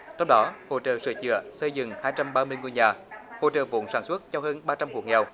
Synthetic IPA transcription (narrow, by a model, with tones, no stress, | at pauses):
t̪ʰɛ˧wɗɔ˨˦ho̰˧˨t͡ɕə̰ː˨˩sɨ˧˩t͡ɕɨ̰˧˨əsə˧jzɨ̰˧˩ŋhaː˧jt͡ɕa˧mɓaː˧mɨ˧əjŋu˧jɲaː˨˩ho̰˧˨t͡ɕə̰ː˨˩vṵ˧˥nsaː˧˩nswə˦˥t̚t͡ɕɔ˧wɦəː˧nɓaː˧t͡ɕa˧mhu˧˩kŋɛ̰˨˩w